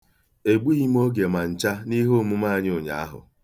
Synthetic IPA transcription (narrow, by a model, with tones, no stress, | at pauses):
e˨ɡ͡bu˦i˦m̩˦o˦ɡe˨ma˨n̩˨t͡ʃa˦ni˦ɦo˦mu˦ma˦a˨ɲ˦o˨ɲa̰˨a̰˦ɦʊ̰˨